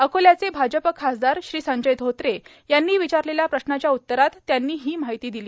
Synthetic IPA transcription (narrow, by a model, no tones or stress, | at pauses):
əkoljat͡sebʱad͡ʑəpəkʰːasd̪aɾɕɾiːsəɲd͡ʑəjd̪ʱot̪ɾe | janːiːʋit͡ɕaɾleljapɾəɕnat͡ɕjaut̪ːəɾat̪ːjanːiːɦiːmaɦit̪iːd̪iliː